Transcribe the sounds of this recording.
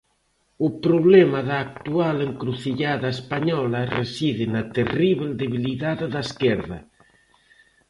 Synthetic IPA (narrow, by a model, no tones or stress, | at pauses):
ʊpɾoβlɛmɐðaːk̚t̪ualeŋkɾuθiʎaðɐespaɲɔlɐresiðɪnɐt̪eriβeld̪eβiliðaððaeskɛɾðɐ